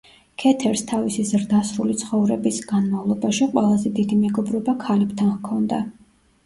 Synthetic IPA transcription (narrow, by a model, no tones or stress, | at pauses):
kʰɛt̪ʰɛɾst̪ʰavisizɾd̪asɾulit̪sʰχɔvɾɛbisɡ̥anmavlˠɔbaʃiqʼwɛlˠazɛd̪id̪imɛɡɔbɾɔbakʰalɛbt̪ʰankʰɔnd̪a